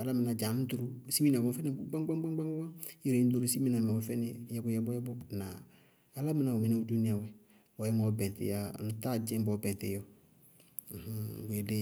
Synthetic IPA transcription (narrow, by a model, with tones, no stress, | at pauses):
a˨la˦mɪ˨na˨d͡ʒa˨m˦tu˦ɾu˦si˦mi˦na˨ɡɔ̃˦fɛ˦ne˦ɡ͡bã˦ɡ͡ba˦ɡ͡ba˦ɡ͡ba˦ã˦ji˨ɾe˨˦t̬u˦ɾu˦si˦mĩ˦na˨mɛ˨ɔ˦fɛ˦ne˦jɛ˦kʊ˦jɛ˦bɔ˦jɛ˦bɔ˦na˨ | a˦la˦mɪ˦na˨u˨mɪ˨ne˦u˦du˦ni˦a˨wɛ˨ | ɔ˨˦jɛ˦mɔ˨˦bɛ̃˨tɪ̰˨ja˦˨n˨ta˦d͡ʒɛ̃˦mbɔ˨˦bɛ̃˨n˨tḛ˨jɔ˦˨ | h̩˦˨ɡe˨de˦